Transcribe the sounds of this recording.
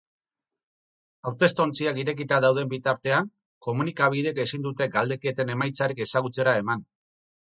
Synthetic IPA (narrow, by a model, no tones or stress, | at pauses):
awt̪e̞st̪o̞nt͡siakiɾe̞kit̪aðawð̞e̞mbit̪aɾt̪e̞aŋ | ko̞munikaβ̞ið̞e̞ke̞sind̪ut̪e̞ɡald̪e̞ke̞t̪e̞ne̞majt͡saɾike̞saɣut͡se̞ɾae̞man